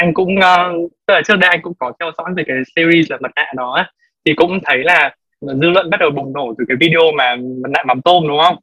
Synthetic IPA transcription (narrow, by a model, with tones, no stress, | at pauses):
ʔa˧jŋ̟kʊ̰˧˥ŋ͡mʔəː˨˧t̪ɨ˦˥k̚laː˨˩t͡ɕk̚ɗə˧jʔa˧ŋkʊ̰˧˥ŋ͡mkɔ˨˦t̪ʰɛ˧wzɔ̰˧˥jvəː˨˩kaː˨˦jsi˧ɾi˧slaː˨˩mə˨˩t̚na̰ː˧˨nɔ˨˦ʔaː˨˦ | t̪ʰi˨˩kʊ̰˧˥ŋ͡mt̪ʰə˨˦jlaː˨˩˨ | zɨ̰˧lwə̰˧˨nɓa˦˥t̚ɗə˨˩wɗʊ˨˩ŋ͡mno˧˩t̪ɨː˨˩˦kaː˨˦jvi˧ɗe˧o˧maː˨˩mə˨˩t̚na̰ː˧˨ma˨˦ŋ͡mt̪o˧nɗʊ˨˦ŋ͡mhə˧wŋ͡m